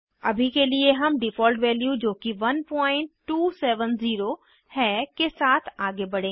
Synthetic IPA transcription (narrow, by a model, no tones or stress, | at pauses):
ɐbʱikelieɦɐmɖɪfɔːlʈʋɛːljud͡ʒoːkiʋɐnpɔ̃ːɪ̃ɳʈːuːsɛːʋənziːɾo | hɛːkesaːt̪ʰaːɡebɐɽ̤ẽː